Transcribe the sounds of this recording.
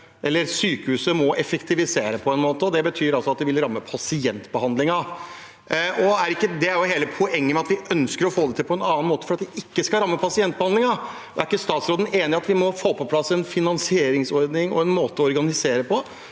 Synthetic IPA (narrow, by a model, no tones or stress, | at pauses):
ʔɛlːəɾsyːkəhʉːsəmɔʔɛfəkt̪ʰɪʋɪseːɾəpʰɔɛnmoːt̪əɔd̪ɛbət̪ʰyːɾɑlsɔɑt̪̚d̪ɛʋɪlɾɑmːəpʰɑsɪɛnt̪bəhɑnd̪lɪŋɑ | ɔæɾɪkːəd̪ɛæɾjʊɦeːləpʰʊɛŋːəmɛɑt̪ʋɪʔœnskəɾɔfoːd̪ɛt̪ʰɪlpʰɔɛnɑːnmoːt̪ə̥fɾɑt̪ʋɪɪkːəskɑɾɑmːəpʰɑsɪɛnt̪̚bəhɑnd̪lɪŋɑ | æɾɪkːəst̪ɑːt̪sɾoːd̪ən̩ʔeːnɪɑt̪ʋɪmɔfoːpʰɔpʰlɑsːɛnfɪnɑnsɪeːɾɪŋsɔɾd̪nɪŋɔ̰ɛnmoːt̪əɔɔɾɡɑnɪseːɾəpʰɔ